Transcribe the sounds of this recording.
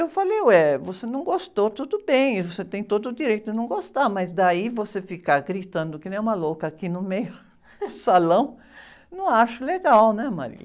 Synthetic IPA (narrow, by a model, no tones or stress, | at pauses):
ewfalejɛvosenɐ̃w̃ɡost̪ot̪ud̪ʊbẽj̃ivoset̪ẽj̃t̪od̪ʊd̪iɾejt̪ʊd̪ɪnɐ̃w̃ɡost̪amɐzd̪aivosefikaɡɾit̪ɐ̃nd̪ʊkɪñɛ̃ũmɐlokɐakinʊmejʊ | salɐ̃w̃ | nɐ̃w̃aʃʊleɡawnɛma̰ɾḭlɐ